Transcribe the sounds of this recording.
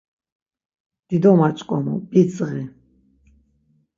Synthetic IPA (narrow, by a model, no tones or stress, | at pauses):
d̪̥id̪ɔmat͡ʃʼkʼɔmɔ̰bit͡sʼʁi